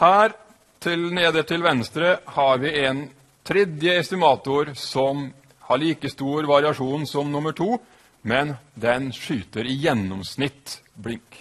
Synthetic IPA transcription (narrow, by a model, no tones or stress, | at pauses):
hæːɾ | t̪ʰɪlneːd̪əʈʰɪlʋɛnst̪ɾəhɑɾʋɪɛn | t̪ʰɾɛd̪ɪəɛst̪ɪmɑːt̪ʊɾsɔm | hɑɭiːkəst̪uːɾʋɑɾɪɑʂuːnsɔmnʊməʈʰuː | mɛnd̪ɛnʂyːt̪əɾɪjɛnːɔmsnɪt̪ːblɪŋk